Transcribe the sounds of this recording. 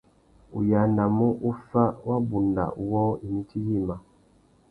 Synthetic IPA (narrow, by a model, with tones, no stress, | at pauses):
u˨ja˨˦nda˨mu˦ʔu˦fa˦wa˦bu˨nda̰˨u˨˦wɔ˦i˨ni˦tʰi˦ji˦˨ma˨